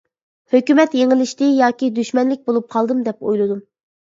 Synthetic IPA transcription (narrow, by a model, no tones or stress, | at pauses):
høkʲymɛt̪jeŋɪlɪʃt̪ɪjɑːkʲid̪yʃmɛnlɪk̚ʲbolˠup̚qʰɑlˠd̪ɨmd̪ɛpo̰jlˠɨd̪um